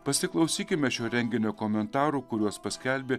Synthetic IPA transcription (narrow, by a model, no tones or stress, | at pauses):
pɐsʲɪklˠɐʊsʲiːkʲɪmʲɛʃʲuːɾʲɛŋʲɡʲɪnʲoːkoːmʲɛnt̪ɑːɾuːkʊɾʲuɔspɐsʲkʲælʲbʲeː